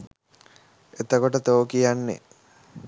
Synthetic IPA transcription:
et̪əkoʈət̪oːəkijanːḛ

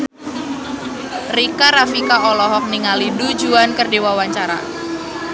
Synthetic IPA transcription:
rikaɾafikaʔɔlɔɦɔk̚niŋalidud͡ʒuankərdewawaɲt͡ʃaɾa̰

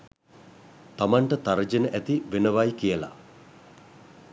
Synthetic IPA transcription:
t̪amaɳʈət̪aɾəd͡ʒenəʔæt̪iʋenəʋajkijəla̰

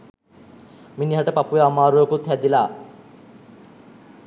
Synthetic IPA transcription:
miniɦaʈəpapujeamaːɾujokut̪hæd̪ilaː

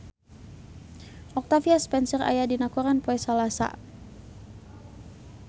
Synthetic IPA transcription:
ʔɔk̚t̪afiaspɛnsɛra̰jadinakuɾanpɔɛsalasa̰

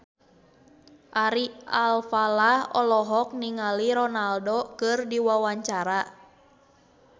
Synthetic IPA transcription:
ʔaɾialfalahɔ̰lɔɦɔk̚niŋaliɾɔnaldokɨrdiwawaɲt͡ʃaɾa

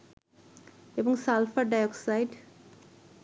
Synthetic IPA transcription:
ebɔŋsalfaɖajɔksajɖ

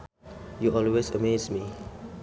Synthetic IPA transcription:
juʔɔlwesəmesmi

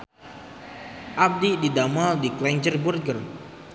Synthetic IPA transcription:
ʔab̚dididamaldiklɛɲd͡ʒərburɡər

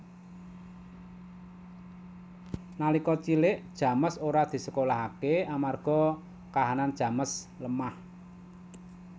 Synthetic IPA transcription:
nalikɔt͡ʃilɪʔd̥ʒ̥ä̤məsoɾad̪̥i̤səkolaɦakeamarɡ̥ɔ̤ | kaɦanand̥ʒ̥ä̤məsləmah

